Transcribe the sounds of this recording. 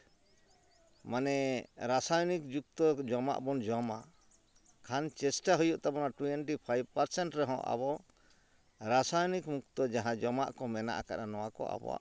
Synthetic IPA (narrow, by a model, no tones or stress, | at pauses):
manɛɾasajɔnikd͡ʒuk̚t̪ɔd͡ʒɔma̰ʔbɔnd͡ʒɔma | kʰant͡ʃɛsʈaɦujuʔt̪abɔnaʈuɛnʈipʰajb̚paɾsɛɳʈɾɛɦɔ̰̃ʔa̰bɔ | ɾasajɔnikmukt̪ɔd͡ʒaɦãd͡ʒɔma̰ʔkɔmɛna̰ʔakaʔanɔwakɔ̰a̰bɔ̰a̰ʔ